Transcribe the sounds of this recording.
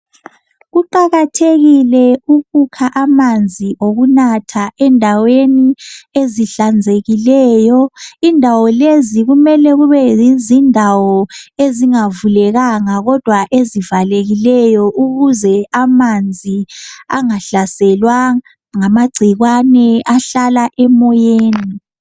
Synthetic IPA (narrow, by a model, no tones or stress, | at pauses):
ɣuǃaɣatʰeɣilɛuɣukʰaʔamand͡zʱiʔoɣunatʰaʔɛndʱawenieziɬand͡zʱeɣilɛːjɔindʱawɔleziɣumɛlɛɣuβɛizindʱawɔeziŋavulɛɣaŋaɣɔd̥ʱwaʔezivaleɣilɛjɔʔuɣuzɛamand͡zʱia̰ŋaɬasɛlwa | ŋamaɡ͡ǀʱiɣwanɛʔaɬalaʔɛmɔjeːni